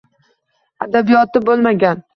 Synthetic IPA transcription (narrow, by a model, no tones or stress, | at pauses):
ad̪abijɒt̪ɪbolˠmaɡʲan